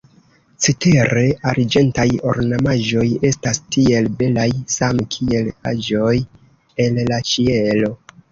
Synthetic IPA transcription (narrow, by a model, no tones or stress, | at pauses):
t͡sete̞ɾe̞aɾd͡ʒe̞ntajo̞̰ɾnamaʒo̞je̞stastie̞lbe̞lajsamkʰie̞la̰ʒo̞j | e̞llat͡ʃielo̞